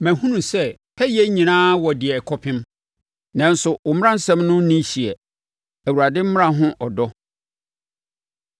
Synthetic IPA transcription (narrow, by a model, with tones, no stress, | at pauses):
mæ̃˨hũ˦nũ˨sɛ˦˨ | hɛ˦jɛ˦ɲĩ˨nãː˦wɔ˨dɪ˨ɛ˨kʰɔ˦pʰɪ̃˦m | nã˨n˦sʊ˨wʊ˨m˦ɾã˦n̩˦sɛ̃˦mnʊ̃˦nĩ˦ɕi˨ɛ˨ | æ˨wu˨ɾa˨dɪ˦m̩˦mɪ̃˦ã˨ɦʊ̃˦ʔɔ˨dɔ˦